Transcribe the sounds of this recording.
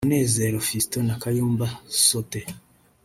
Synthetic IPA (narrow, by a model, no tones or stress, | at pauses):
ne̞ːze̞ɾofistonakajuːmbasote